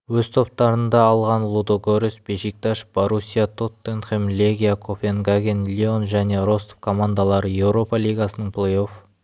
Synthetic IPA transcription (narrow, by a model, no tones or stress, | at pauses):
wɵzt̪ʰo̞p̚t̪ɑɾənd̪ɑːlˠʁɑnlˠud̪oɡoɾesbeʃik̚t̪aʃboɾusʲijat̪ʰo̞t̪ːenχemlʲeɡʲijakʰopʲenɡaɡʲenlʲio̞nʒæne̞ɾo̞st̪o̥fkʰo̞mand̪alˠɑɾəje̞wɾo̞pɑlʲijɡɑsənəɴpʰlˠejo̞f